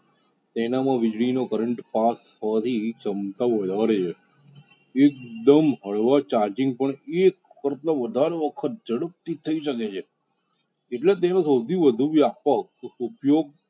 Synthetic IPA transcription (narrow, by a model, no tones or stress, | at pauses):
t̪enamãʋid͡ʒɭinokəɾəɳʈpasʰəʋat̪ʰit͡ʃəmt̪aʋod̪ʱaɾet͡ʃʰe | ek̚d̪əmɦəɭʋat͡ʃaɾd͡ʒɪ̃ŋɡ̚pəɳek | kəɾt̪aʋəd̪ʱaɾeʋəkʰət̪̚d͡ʒəɽəp̚t̪it̪ʰəiʃəket͡ʃʰe | eʈlet̪enosəwd̪ʱiʋəd̪ʱuʋjapəkupjoɡ̚